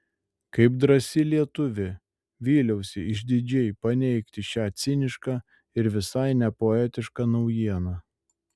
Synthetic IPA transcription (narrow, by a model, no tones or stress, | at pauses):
kɐɪpd̪ɾɐsʲɪlʲiɛt̪ʊʋʲɪ | ʋʲiːlʲɛʊsʲɪɪʒʲd̪ʲɪd͡ʒʲɛɪpɐnʲɛɪkt̪ʲɪʃʲæːt̪sʲɪnʲɪʃkɑː | ɪɾʋʲɪsɐɪnʲɛpoɛt̪ʲɪʃkɑnɒʊjiɛnɑː